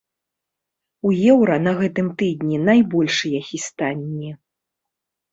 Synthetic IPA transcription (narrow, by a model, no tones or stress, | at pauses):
ujɛwɾɐnɐɣɛt̪ɨmt̪ɨd̪ʲnʲinajbɔlʲʂɨjɐxʲist̪anʲːi